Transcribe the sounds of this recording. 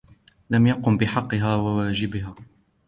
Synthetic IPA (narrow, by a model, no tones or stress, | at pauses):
lamjaqʊmbɪħɑqːɨɦaːwawaːd͡ʒɪbɪɦaː